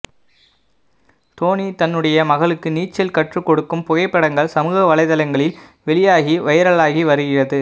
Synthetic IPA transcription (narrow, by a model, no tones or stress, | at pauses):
t̪oːnit̪ɐnːɯɽɐjɐmɐɣɐɭɯkːɯniːt͡ʃːɪlkɐʈrɯkːɔɽɯkːɯmpʊɣɐɪpːɐɽɐŋɡɐɭsɐmɯːɣɐʋɐɭɐɪðɐlɐŋɡɐɭɪlʋɛɭɪjaːɣiʋɐjɐɾɐɭaːɣiʋɐɾɯɣɪrɐðɯ